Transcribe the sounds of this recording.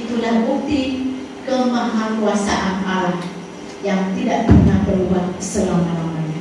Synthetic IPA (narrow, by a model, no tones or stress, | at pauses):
it̪ulahbuk̚t̪i | kəmaɦakuasaʔanalah | jaŋt̪idaʔpərnahpəɾubahsəlamalamana